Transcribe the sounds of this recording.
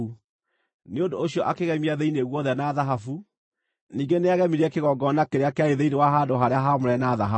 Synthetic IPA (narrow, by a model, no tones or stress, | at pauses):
u | neondoːɕiɔʔakeɣɛmiaðeineɣwɔðɛnaːðaɦafu | niːɡeneaɣɛmiɾeɛkeɣɔɡɔnakeɾeakeaeðeinewaɦaːdoɦaɾeaɦamoɾɛnaðaɦa